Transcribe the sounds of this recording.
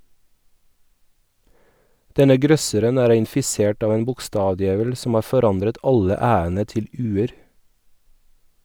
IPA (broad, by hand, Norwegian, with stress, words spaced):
ˈdɛnə ˈɡɾœsəɾən ˈæːɾ ɪnfɪˈseːʈ ˈɑːʋ ˈeːn bʊkˈstɑːʋˌdjeːʋəl sm̩ ˈɑː fɔˈɾɑndɾət ˈɑlə ˈæːənə ˈtɪl ˈʉːəɾ